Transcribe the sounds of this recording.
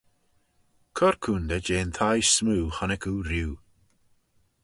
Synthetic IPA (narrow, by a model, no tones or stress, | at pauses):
kʰɔɾkʰundəd͡ʒeːnθʰajsmuːhanɪkʰuɾiw